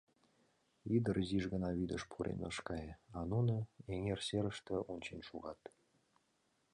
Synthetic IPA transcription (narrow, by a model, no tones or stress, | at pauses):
id̪ərziʒɣə̆nɑβid̪əʃpʰuɾʔḛnɤ̰ʃkɑjɑnunɤ̆eŋerseɾə̆ʃt̪ĕʔunʲt͡ɕenʃuʁɑt̪